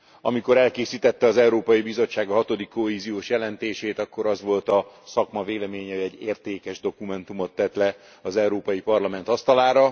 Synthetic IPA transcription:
ɒ̰miko̞ɾɛlkeːsiːt̪ɛt̪ːɛɒzɛuɾoːpɒjibizo̞t͡ʃːaːɡɒɦɒt̪o̞d̪ikːo̞ɦeːzijoːʃjɛlɛnt̪eːʃeːt̪ɒkːo̞ɾɒzʋo̞lt̪ɒsɒkmɒveːlɛmeːɲɛɛɟːeːrt̪eːkɛʒd̪o̞kumɛnt̪umo̞t̪ːɛt̪lɛ | ɒzɛwɾoːpɒjipɒrlɒmɛnt̪ɒst̪ɒlaːɾɒ

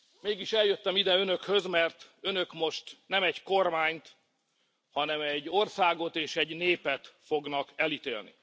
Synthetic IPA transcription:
meːɡiʃɛljøt̪ːɛmid̪ɛø̞nø̞khø̞zmɛrt̪ønø̞kmo̞ʃt̪nɛmɛɟko̞rmaːɲt̪ | hɒnɛmɛɟːo̞rsaːɡo̞t̪eːʃɛɟneːpɛt̪fo̞ɡnɒkɛlit̪eːlnḭ

